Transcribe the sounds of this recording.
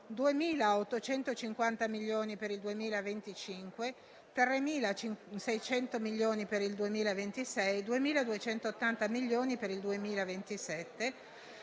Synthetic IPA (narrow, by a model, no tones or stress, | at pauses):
d̪uemiːlaot̪ːot͡ʃɛnt̪ot͡ʃiŋkwant̪amilːoːnipeɾild̪uemiːlavent̪it͡ʃiŋkwe | t̪ɾremiːlat͡ʃsɛjt͡ʃɛnt̪omilːjoːnipeɾild̪uemiːlavent̪isɛjd̪uemiːlad̪uet͡ʃɛnt̪ot̪ːant̪amiʎːoːnipeɾild̪uemiːlavent̪isɛt̪ːe